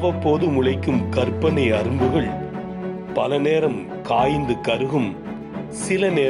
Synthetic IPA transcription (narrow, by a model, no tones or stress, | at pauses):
ʋɐpːoːðɯmʊɭɐɪkːɯmkɐɾpːɐnɐɪɐɾɯmbɯɣɐɭ | pɐlɐneːɾɐm | kaːjnd̪ɯkɐɾɯɣɯm | sɪlɐneː